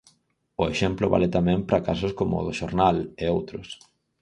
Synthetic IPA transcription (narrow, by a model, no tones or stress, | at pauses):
ʊeʃemplʊβa̰lɪt̪amɛ̃ŋpɾakas̬ʊskomʊ̰ðʊʃoɾnaleowt̪ɾʊs